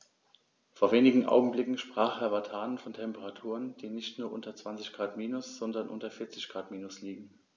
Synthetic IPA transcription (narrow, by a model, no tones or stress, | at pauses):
foːɐveːnɪɡŋ̩ʔa̰ʊɡŋ̩blɪkŋ̩ʃpʁ̥aːχhɛɐvatʰaːnənfɔntʰɛmpəʁatʰuːʁənd̥iːnɪçtnuːɐʔʊntɐt͡sv̥ant͡sɪçɡ̥ʁaːtmiːnʊsz̥ɔndɐnʔʊ̰ntɐfɪɐt͡sɪçɡ̥ʁaːtmiːnʊsliːɡŋ̩